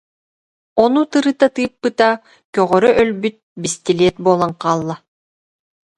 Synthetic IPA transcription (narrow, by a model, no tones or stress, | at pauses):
ɔnut̪ɯɾɯt̪at̪ɯjpːɯt̪a | kœʁœɾœʔœlbyt̪̚bist̪ileɛt̪̚buɔlˠaŋqaːlˠːa